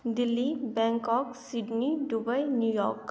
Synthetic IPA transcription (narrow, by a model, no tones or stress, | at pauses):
d̪ɪlːibɛ̃ːŋkɔːksɪɖniɖubəjnjuːjɔ̰ːɾk